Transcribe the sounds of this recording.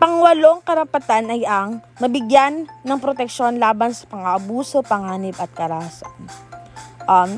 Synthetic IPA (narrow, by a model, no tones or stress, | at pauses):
pɐŋwɐlo̞ŋkɐɾɐpɐt̪anɐjɐŋ | mɐbɪɡjanːɐŋpɾot̪ɛk̚ʃo̞nlaːbɐnsɐ̥pɐŋɐʔɐbuːso̞pɐŋaːnɪpɐt̪̚kɐɾahasa̰n | ʔɐm